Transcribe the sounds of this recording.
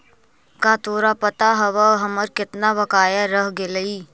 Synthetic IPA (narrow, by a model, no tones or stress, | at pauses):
kaːt̪oːɾapɐt̪aɦɐʋəɦɐməɾkɪt̪naʋɐkaːjaɾəɦɡelɐiː